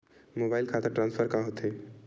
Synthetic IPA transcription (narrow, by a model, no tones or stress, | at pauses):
mobaːɪlkʰat̪ʰeʈɾãnspʰəɾkãɦot̪e